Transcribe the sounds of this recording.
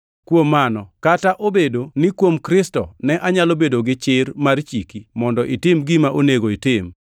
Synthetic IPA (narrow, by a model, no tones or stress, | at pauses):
kwomanɔkataʔobedonɪkwomkɾɪstɔnɛʔaɲalobedoɡɪt͡ʃɪɾmart͡ʃikimɔndɔʔɪtɪmɡɪmaʔoneɡoɪtɪm